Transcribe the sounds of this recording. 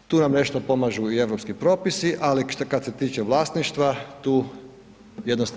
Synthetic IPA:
t̪uːnamne̞ʃt̪o̞po̞maʒuie̞ʋɾopskipɾo̞ːpisiʔaliʃkad̪se̞t̪iːt͡ʃeʋlˠaːst̪niʃt̪ʋat̪uː | jed̪nost̪

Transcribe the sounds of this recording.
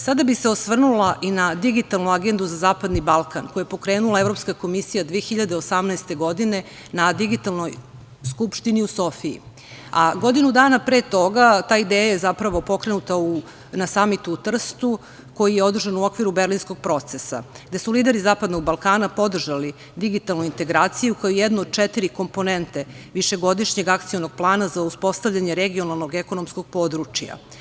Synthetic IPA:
sad̪abiseo̞sʋr̩nulaʔinad̪iɡit̪alˠnuaɡend̪uzazaːpad̪nibalˠkankojepo̞kɾe̞ːnulˠaevɾo̞pskako̞misijad̪ʋeexiʎad̪eosamnɛɛst̪e̞ɡo̞d̪ine̞ | nad̪iɡit̪alno̞j | skupʃt̪iniuso̞fiḭ | aɡo̞d̪inud̪aːnapɾeːt̪o̞ɡat̪aːid̪eːjajezapɾaʋo̞po̞kɾe̞nut̪au | nasamit̪uːt̪r̩st̪u | ko̞jijeo̞d̪r̩ʒanuo̞kʋiɾubeɾlinsko̞ɡ̚pɾo̞t̪sesa̰ɡd̪e̞suliːd̪e̞ɾizaːpad̪no̞ɡ̚balˠkaːnapo̞d̪r̩ʒali | d̪iɡit̪alnoint̪e̞ɡɾaːt̪sijukajojɛd̪nood̪̚t͡ʃɛt̪iɾiko̞mpo̞nent̪e̞ | ʋiʃe̞ɡo̞d̪iʃɲe̞ɡak̚t̪sionoɡ̚plˠaːnazauspo̞st̪avʎʲaɲeɾeɡio̞nalˠno̞ɡeko̞nomsko̞ɡ̚po̞ːd̪ɾut͡ʃja̰

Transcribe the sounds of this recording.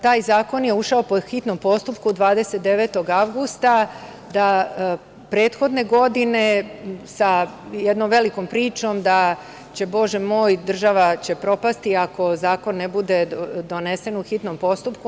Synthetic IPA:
t̪aːjzaːko̞njeuʃaopoxit̪no̞mpo̞st̪upkud̪ʋaːd̪e̞set̪̚d̪e̞ʋet̪o̞ɡaʋɡust̪a | d̪a | pɾeːt̪xo̞d̪ne̞ɡo̞d̪ine̞sajed̪nomʋe̞liko̞mpɾiːt͡ʃo̞md̪a | t͡ɕe̞bo̞ʒemo̞ːjd̪r̩ʒaʋat͡ɕe̞pɾo̞past̪iako̞zaːko̞nːebud̪e̞d̪o̞nese̞nuxit̪no̞mpo̞st̪up̚ku

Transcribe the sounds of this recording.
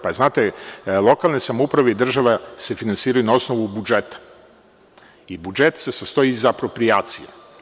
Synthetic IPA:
paznaːt̪elˠo̞kalˠnesamoupɾaʋeid̪r̩ʒaʋase̞finansiːɾajunao̞snoʋubud͡ʒet̪ḁ | ibud͡ʒet̪se̞sast̪o̞jizaːpɾo̞pɾijaːt̪sijḛ

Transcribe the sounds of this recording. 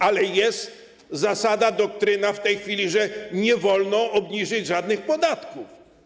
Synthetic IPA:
alɛjɛst̪ | zasad̪ad̪ɔk̚t̪ɾɘnaft̪ɛjxfʲilʲiʐɛɲɛvɔlnɔʔɔbɲiʐɘd͡ʑʐad̪nɘxpɔd̪at̪kuf

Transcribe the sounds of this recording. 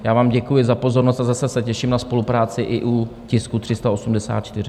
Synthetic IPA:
jaːvaːmɟɛkujɪzapo̞zo̞ɾno̞st̪azasɛsɛcɛʃɪmnaspo̞lupɾaːt͡sɪʔɪʔucɪskut̪r̝̥ɪst̪ao̞sumdɛsa̰ːt̪̚t͡ʃt̪ɪrɪ

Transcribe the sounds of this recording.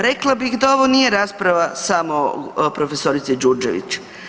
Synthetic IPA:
ɾe̞klˠabixd̪ao̞ʋo̞nije̞ɾaːspɾaʋasamo̞pɾo̞fe̞so̞ɾit̪sid͡ʒuɾd͡ʒeʋḭt͡ɕ

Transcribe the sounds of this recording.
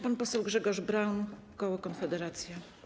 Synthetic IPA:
panpɔsɛwɡʐɛɡɔʐbɾawnkɔwɔkɔnfɛd̪ɛɾat̪sʲja

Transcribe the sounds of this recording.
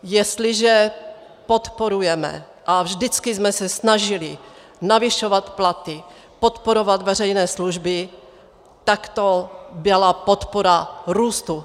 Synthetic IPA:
jɛst̪lɪʒɛ | po̞t̪poɾujɛmɛ̰ | ʔavʒdɪt͡skɪzmɛsɛsnaʒɪlɪ | navɪʃo̞vat̪plat̪ɪ | pot̪poɾo̞vat̪vɛrɛjnɛːsluʒbɪ | t̪akt̪obɪlapot̪poɾaɾuːst̪u

